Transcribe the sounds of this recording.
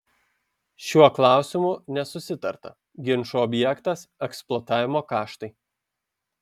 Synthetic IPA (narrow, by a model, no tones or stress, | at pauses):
ʃʲuɔklˠɑˑʊsʲɪmʊˑnʲɛsʊsʲɪt̪ɐɾt̪ɐ̰ | ɡʲɪnʃuɔbʲjɛkt̪ɐsɛksplˠɔːt̪ɑːʋʲɪmoːkɑːʃt̪ɐɪ